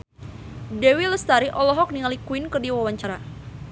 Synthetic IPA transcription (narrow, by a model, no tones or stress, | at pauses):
dɛwiləst̪aɾiʔɔlɔɦɔk̚niŋalikuinkərdiwawaɲt͡ʃaɾa